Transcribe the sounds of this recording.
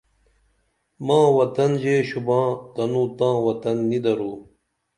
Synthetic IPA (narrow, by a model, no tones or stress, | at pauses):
mãːwɐt̪ɐnd͡ʑeːɕubãːt̪ɐnũːt̪ãːwɐt̪ɐnːid̪ɐɾuː